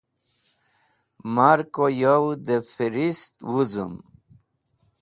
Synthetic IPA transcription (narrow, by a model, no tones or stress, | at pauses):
maɾkojowd̪efiɾist̪wuzṵm